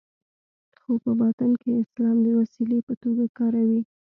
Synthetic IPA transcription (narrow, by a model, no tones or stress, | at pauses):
xopəbat̪ankeɪslɑmd̪əwasilepət̪oɡakɑɾawi